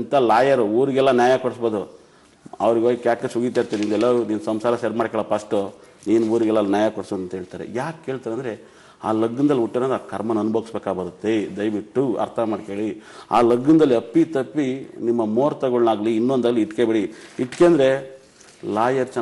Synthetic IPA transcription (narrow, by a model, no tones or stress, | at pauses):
nt̪alaːjɐɾuuːɾiɡɛlːɐnjaːjakɔɽsboːd̪u | ɐ̰ʋɐɾiɡoːɡukjaːkːesuɡiːt̪aiɾt̪ːenind̪ɛlːɐniːnsɐmsaːɾɐseːɾmaːɽkɛːɭɐpɐsʈu | niːnuuːɾiɡɛlːɐnjaːjakɔɽsnɐnt̪ɐɦeːɭt̪aːɾḛjaːkɦe̞ːɭt̪aːɾeɐːnd̪ɾe̞ | a̰ːlɐɡːind̪ɐliuʈːenɐːd̪akʰɐɾmɐnɐnːubʱoːɡisbeːkaːbɐɾut̪ːed̪ɐjʋiʈːuɐ̰ɾt̪ʰɐmaːɖkeːɭia̰ːlɐɡːind̪ɐlːiɐpːit̪ɐpːinimːɐmoːɾt̪ɐɡoɭnaːɡliːnːond̪ɐlːiiʈkebeɽiiʈkeːnd̪ɾe̞ | laːjɐɾt͡ʃɛ